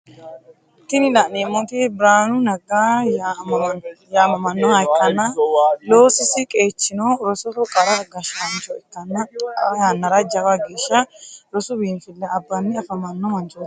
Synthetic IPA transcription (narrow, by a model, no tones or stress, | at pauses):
t̪ːɪnɪlɐʔneːmɔt̪ɪbɾaːnʊnɐɡaj | jamɐmɐnːɔhɐjkːɐnːɐlo̞ːsɪsɪkʼe̞ːt͡ʃːɪnɔɾɔsɔtɔkʼɐɾɐɡɐʃɐnt͡ʃʼɔɪt̪ːɐnːɐjanːɐɾɐd͡ʒɐbɐɡeːʃːɐɾɔsʊbiːnfɪlːɛɐbːɐnːɪɐfɐmɐnːɔmɐnt͡ʃʼɔtː